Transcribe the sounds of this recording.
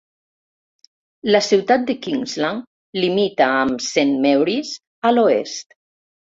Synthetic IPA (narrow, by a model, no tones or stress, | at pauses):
ləsiwt̪at̪̚d̪əkiŋzlaŋ | limit̪aːmsenmɛwɾis | aloḛst̪